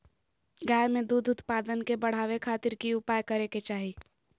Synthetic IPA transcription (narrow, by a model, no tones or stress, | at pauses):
ɡaːjmẽd̪uːd̪ʱʊt̪paːd̪ənkebɐɽ̤aːʋekʰaːt̪ɪɾkiʊpaːjkɐɾeket͡ʃaːɦi